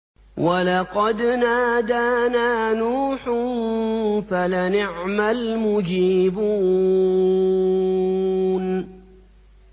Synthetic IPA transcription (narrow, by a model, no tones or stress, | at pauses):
walɑqɑd̪naːd̪aːnaːnuːħnfalanɪʕmalmʊd͡ʒiːbuː | n